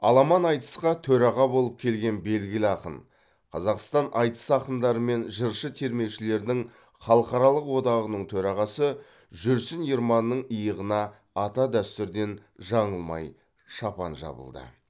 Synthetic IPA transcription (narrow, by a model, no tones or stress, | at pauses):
ɑ̰lˠɑmɑnɑjt̪ə̥sqɑt̪ʰɵɾɑʁɑbo̞lˠəp̚kʲʰe̞lɡʲe̞nbe̞lɡʲɪlɪɑqə̰n | qʰɑzɑqst̪ɑnʔɑjt̪ə̥sɑqənd̪ɑɾəme̞nʒəɾʃət̪ʰe̞ɾme̞wʃɪle̞ɾd̪ɪŋ | χɑlˠəqɑɾɑlˠəqwo̞d̪ɑʁənəɴt̪ʰɵɾɑʁɑsə | ʒʏɾsɪnjiɾmɑnːəɴəjəʁənɑː | t̪ɑd̪æst̪ɪɾd̪e̞n | ʒɑɴəlˠmɑ̰j | ʃɑpɑ̰nʒɑ̰bə̰lˠd̪ə̰